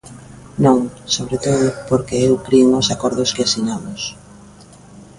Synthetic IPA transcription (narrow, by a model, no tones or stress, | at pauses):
nõŋsoβɾet̪oðʊpoɾkeewkɾieŋosakɔɾðʊskeasiɲamʊs